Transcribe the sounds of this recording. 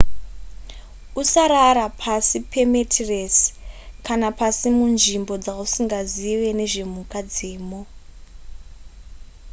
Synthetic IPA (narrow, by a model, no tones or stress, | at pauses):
usaɾaɾapʰasipʰe̞metʰireskanapasimunʐimbo̞d͡zausiŋɡaziʋe̞ne̞ʐe̞mukad͡zeːmo